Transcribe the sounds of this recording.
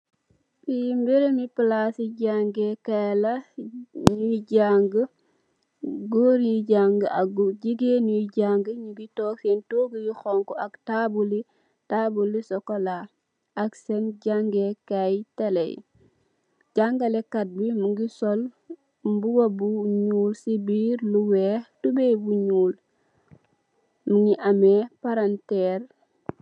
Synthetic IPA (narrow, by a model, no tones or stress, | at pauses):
pijimbeɾemiplasiɟaŋɡekala | ɲuiɟaŋɡə | ɡoɾiɟaŋɡəaɡuɟiɡenuiɟaŋɡəɲiɡitoːkentoɡijixoŋkoaktabuli | tabulːisokola | ʔaksenɟaŋɡekajtelḛj | ɟaŋɡalekat̚bimuŋɡisol | mbuwobuɲuːlsibiːɾluweːtubebuɲuːl | muŋiʔamepaɾanteːɾ